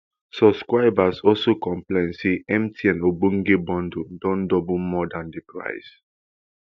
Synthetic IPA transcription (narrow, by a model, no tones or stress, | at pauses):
sɔbskɹaɪbasɔlsokɔ̃mplẽɪ̃nseʔɛ̃mtʰiɛ̃nobõŋɡebɔ̃ndodɔ̃ndɔbumɔdãndepɹa̰ɪs